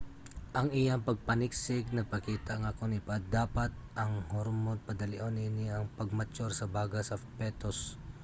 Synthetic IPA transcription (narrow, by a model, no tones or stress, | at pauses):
ʔɐŋɪjaŋpɐɡ̚pɐnɪksɪɡ̚nɐpɐkiːt̪aŋakonɪpad̪aːpat̪̚ʔɐŋhoɾmod̪̚pɐd̪ɐlɪʔoninɪɐŋpɐɡ̚mɐt͡ʃoɾsɐbaːɡɐsɐfpɛːt̪os